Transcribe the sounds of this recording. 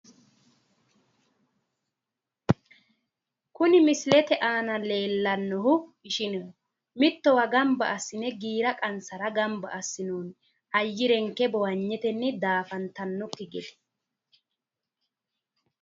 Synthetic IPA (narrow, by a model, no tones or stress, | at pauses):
kʊnɪmɪslɛt̪ɛʔaːnɐle̞ːlːɐnːɔɦʊɪʃɪnɔ | mɪt̪ːɔwɐɡɐmbɐ̰ʔɐsːɪnɛɡiːɾɐkʼɐnsɐɾɐɡɐmbɐ̰ʔːsːɪnuːn | ɐjːɪɾɛŋkːɛbɔwɐɲːɛt̪ɛnːɪd̪aːfɐnt̪ɐnːɔkːɪɡɛd̪ɛ̥